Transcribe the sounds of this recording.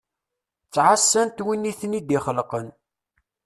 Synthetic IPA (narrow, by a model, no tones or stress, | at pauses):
t͡sːʕasːænt̪winːiθnid̪iχəlqən